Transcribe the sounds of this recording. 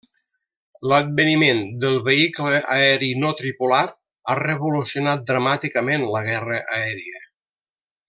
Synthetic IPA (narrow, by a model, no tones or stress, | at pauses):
ləd̪̚bənimend̪əlˠβəikləʔaɛɾinɔt̪ɾipulat̪̚ | arəβulusjonat̪̚d̪ɾəmat̪ikəmenləɣɛrəʔəɛɾiə